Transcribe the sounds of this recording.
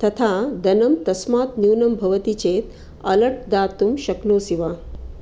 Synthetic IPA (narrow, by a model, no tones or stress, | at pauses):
t̪ɐt̪ʰad̪ɐnɐmt̪ɐsmaːt̪njuːnɐmbʱɐʋɐt̪it͡ɕeːt̪ | ɐlɐʈ̚d̪aːt̪umʃɐknoːsiʋaː